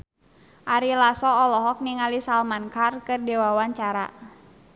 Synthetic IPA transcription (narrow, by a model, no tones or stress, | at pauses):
ʔaɾilasɔːlɔɦɔk̚niŋalisalmankarkɨrdɛwawaɲt͡ʃaɾa̰